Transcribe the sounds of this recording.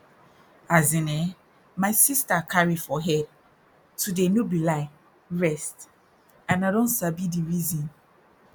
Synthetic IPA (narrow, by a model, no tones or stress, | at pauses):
azĩnɛ | maɪsistakʰaɹifɔɦɛd̚ | tudemubilaɪ | ɹɛst | ãnadɔ̃ntsabidiɹizĩn